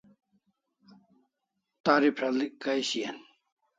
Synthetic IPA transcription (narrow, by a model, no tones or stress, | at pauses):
t̪aɾipʰɾalikːajɕian